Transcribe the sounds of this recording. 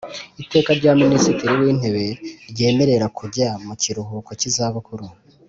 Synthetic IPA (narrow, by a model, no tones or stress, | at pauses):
ite̞ːkaɾɟaːminisitiɾiwiːn̥he̞βe̞ɾɟe̞ːme̞ɾe̞ɾakʰuɟamuciɾuɦukwacizaβakuɾu